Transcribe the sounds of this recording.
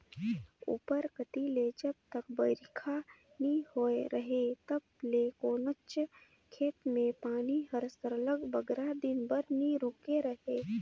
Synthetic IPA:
ṵːpəɾkət̪iled͡ʒəb̚t̪əkbəɾɪkʰa | nihoeɾəɦet̪ɐb̚lekoːnət͡ʃ | kʰeːt̪mẽpaːniɦəɾsəɾələɡbəɡɾad̪ɪnbəɾniɾʊkeɾəɦeː

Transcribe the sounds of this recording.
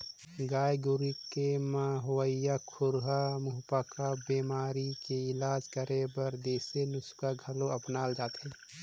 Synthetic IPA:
ɡaːjɡʊɾikemaɦoəijakʰʊɾɦamʊɦpakabeːmaːɾikeɪlaːd͡ʒkəɾʔebəɾd̪eːsenʊskaɡʱɐloəpnaːld͡ʒaːt̪ɦɛ̃ː

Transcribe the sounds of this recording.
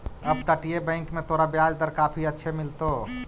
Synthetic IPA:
əbt̪əʈijebə̃ɪ̃ŋkmẽt̪oɾabjad͡ʒd̪əɾkaːpʰiətːʃʰemɪlt̪o

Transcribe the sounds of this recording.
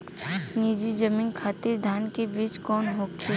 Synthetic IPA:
niːd͡ʒid͡ʒəmiːnkʰaːt̪iɾd̪ʱaːnkebiːt͡ʃkɔːnɦokʰe

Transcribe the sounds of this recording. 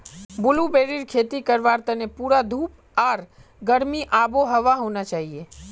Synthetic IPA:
bʊlubeːɾiɾkʰeːt̪ikəɾʋaːɾt̪ənepuːɾad̪ʱuːp | aːɾ | ɡəɾmiʔaːboɦɐʋaɦoːnat͡ʃaːɦieː

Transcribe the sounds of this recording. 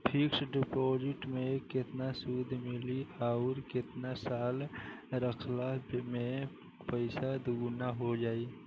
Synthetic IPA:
pʰɪksɖɪpod͡ʒɪʈmẽkɪt̪nasud̪ʱmɪliaʊɾkɪt̪nasaːlɾəkʰlamẽ | pəɪsad̪uɡnaɦod͡ʒaːi

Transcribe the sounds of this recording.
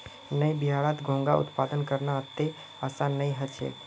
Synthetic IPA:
nəibɪɦaːɭaːt̪ɡʱõːŋɡaʊ̰t̪paːd̪ənkəɾnaət̪ːe | asanːəĩɦət͡ʃʰḛ

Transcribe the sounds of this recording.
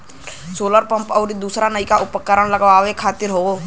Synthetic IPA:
soːləɾpə̃mpɔːɾid̪uːsɾanəikaʔʊpəkːəɾəɳ̃ləɡʋaːʋekʰaːt̪ɪɾɦoː

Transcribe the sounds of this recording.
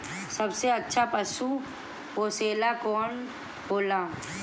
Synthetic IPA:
sɐbseɐtːʃʰapɐsũ | ɦoːseːlakɔːn | boːlãː

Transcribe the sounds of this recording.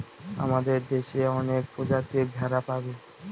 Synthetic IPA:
a̰mad̪eɾd̪eʃeɔnek̚pod͡ʒat̪iɾbʱaɾapabe

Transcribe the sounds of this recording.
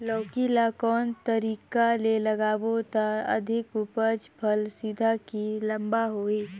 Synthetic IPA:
lɔːkilakɔːnt̪əɾiːkaleləɡaːwot̪aə̰d̪ʱɪkupəd͡ʒpʰəlsid̪ʱakilə̃mbaɦoːiː

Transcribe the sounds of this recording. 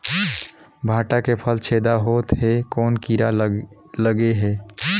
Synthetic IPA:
bʱaːʈakepʰəlt͡ʃʰed̪aɦot̪ɦekɔːnkiɾa | ləɡeɦɛ

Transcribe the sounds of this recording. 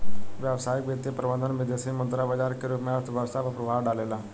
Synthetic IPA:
ʋjaʋsaːjikʋjəd̪jipɾəbənd̪ʱənʋɪd̪esimənt̪ɾabad͡ʒaːɾkːeɾupmat̪ʰʋjəʋst̪ʰapɐpɾɐbʱaːʋɖaleːla

